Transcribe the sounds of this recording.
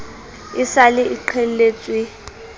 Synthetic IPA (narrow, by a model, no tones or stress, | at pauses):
ɪsalɪʔiǃʰel̩leːt͡sʼwi